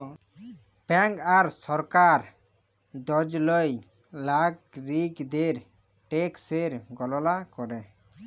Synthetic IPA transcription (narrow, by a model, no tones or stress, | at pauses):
bɛŋkaɾsɔɾkaɾ | d̪ɔd͡ʒlɔj | laɡɾikd̪eɾ | ʈekseɾɡɔlɔlakɔɾe